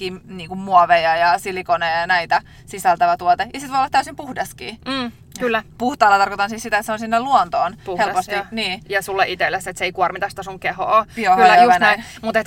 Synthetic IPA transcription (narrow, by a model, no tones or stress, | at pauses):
kiːmniːŋkummuɑʋejɑjɑsilikonejɑjɑnæit̪æ | sisælt̪æʋæt̪uot̪ejɑsit̪ʋojolːɑt̪æysimpuhdɑskḭː | kylːæpuht̪ɑːlːɑt̪ɑrkot̪ɑnsiːssit̪æet̪seonsinːeluont̪oːnhelpost̪iniːjɑsulːeʔit̪elːæsːet̪seeikuormit̪æst̪æsuŋkehoːpohoʋɑnæmut̪et̪